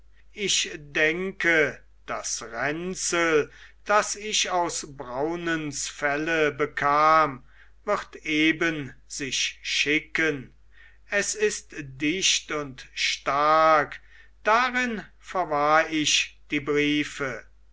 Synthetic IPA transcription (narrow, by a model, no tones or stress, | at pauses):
ʔɪʃdɛŋkə | d̥asʁɛnsəld̥asɪʃaʊsbʁaʊnənsfɛləbəkʰaːm | vɪʁteːbənz̥ɪʃʃɪkən | ɛsɪstdɪɕtʊntʃtaɐk | d̥aʁɪn | fɛɐvaɐɪʃd̥iːbʁiːfə